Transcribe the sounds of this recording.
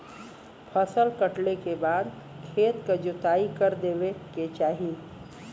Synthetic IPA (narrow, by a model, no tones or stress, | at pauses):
pʰəsəlkəʈlekebaːd̪ | kʰeːt̪kɐd͡ʒʊt̪aːikɐɾd̪eːʋeket͡ʃaːɦi